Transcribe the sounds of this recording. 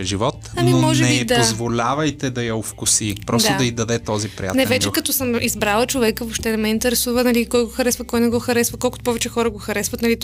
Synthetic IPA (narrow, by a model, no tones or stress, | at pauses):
ʒivɔt̪ɐnmiommɔʒnɛbɛid̪ozvolʲavɐjt̪ɛd̪ɐjɐofkʊsipɾɔsaʊd̪ɐid̪ɐd̪ɛt̪ɔzipɾḭja̰nɛvɛt͡ʃɛkɐt̪ɔsəmizbɾalˠət͡ʃovɛkəvopʃt̪ɛd̪ɐmɛint̪ɛɾɛsuvənɐlikɔjɡoxɐɾɛsvɐkɔjnɛɡɔxɐɾɛsvɐkɔlˠkʊt̪pɔvɛt͡ʃɛxɔɾəɡoxɐɾɛsvət̪nɐlit̪